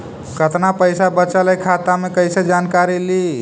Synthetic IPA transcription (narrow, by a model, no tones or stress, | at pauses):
kət̪napəɪsabət͡ʃəljkʰat̪amekəɪsed͡ʒankaɾili